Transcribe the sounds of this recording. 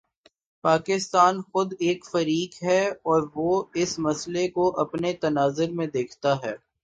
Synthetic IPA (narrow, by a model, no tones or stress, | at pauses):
paːkɪst̪aːnxʊd̪eːkfɐɾiːkɦɛːɔːɾʋoɪsmɐslekoʔɐpnet̪ɐnaːzʊɾmẽd̪eːkʰt̪aɦɛː